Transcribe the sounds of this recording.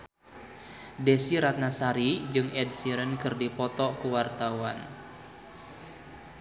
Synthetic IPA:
desiɾat̪̚nasaɾid͡ʒɨŋɛdsiɾənkɨrdipɔt̪ɔkuwart̪awan

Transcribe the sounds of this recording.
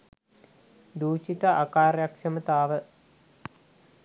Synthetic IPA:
d̪uːt͡ʃit̪ɐʔakaːrjakʂɐmɐt̪aːʋə

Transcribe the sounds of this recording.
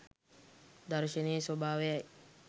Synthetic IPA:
d̪ɐɾʃɐneːsobaːʋeɐj

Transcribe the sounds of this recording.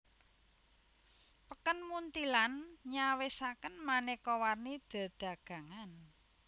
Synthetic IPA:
pəkənmunt̪ilanɲawesakənmanekɔwarnid̪̥a̤d̪̥a̤ɡ̥ä̤ŋan

